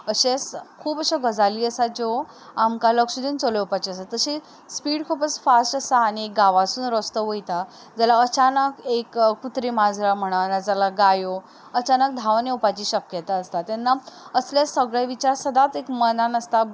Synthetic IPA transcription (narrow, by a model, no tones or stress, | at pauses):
əɕeskʰuːpəɕaɡəd͡zaliːəsad͡zo | amkaləkʂəd̪iːnt͡soleupat͡ɕiəsat̪ːəɕi | spiːɽkʰuːpəsfasʈəsaːñiek̚ɡaʋasuːnɾəst̪əʋojt̪a | d͡zalaət͡ɕanəkekkːut̪ɾimad͡zʱɾam̤əɽ̃anad͡zalaɡajo | ət͡ɕanək̚d̪ʱaʋneupat͡ɕiːɕəkjət̪aːst̪at̪enːaəsljasəɡɭjaʋit͡ɕaɾsəd̪at͡s̪ekmənanəst̪a